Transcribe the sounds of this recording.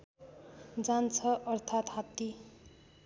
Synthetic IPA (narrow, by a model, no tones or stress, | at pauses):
d͡zant͡sʰʌʔʌrt̪ʰat̪ɦat̪ːi